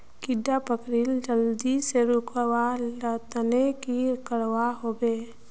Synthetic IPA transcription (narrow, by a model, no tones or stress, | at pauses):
kɪɖapəkɾild͡ʒəld̪iseɾʊkwalət̪nekikəɽwaɦoːbeː